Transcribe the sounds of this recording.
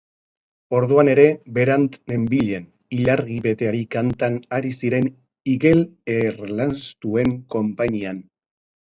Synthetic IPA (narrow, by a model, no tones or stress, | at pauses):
o̞ɾðuane̞ɾe̞be̞ɾant̪me̞mbiʎe̞n | iʎaɾɣiβe̞t̪e̞aɾikant̪anaɾisiɾe̞n | iɣe̞leɾlanst̪ue̞ŋko̞mpaɲian